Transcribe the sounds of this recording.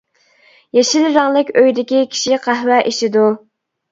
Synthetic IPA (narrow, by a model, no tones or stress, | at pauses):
jeʃilɾɑŋlˠɨkʲøjd̪ɪkʲikʲʰi̥ʃiqʰæhwɛʔiʃid̪u